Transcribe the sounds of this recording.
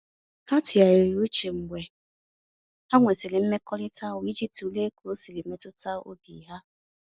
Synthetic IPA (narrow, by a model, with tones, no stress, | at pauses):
ka˦tʊ˨a˨i˨ɾi˨u˦t͡ʃe˨ŋ͡m̩˨ɡ͡bʷe˨ | ha˦ŋʷe˨sɪ˨lɪ˨m̩˦me˦kɔ˦lɪ˦tʰa˦ʊ˨i˦d͡ʒi˦p̚tu˨le˦ku˨o˦si˨li˨me˦tʊ˦ta˦o̰˦bḭ˨ɦa˦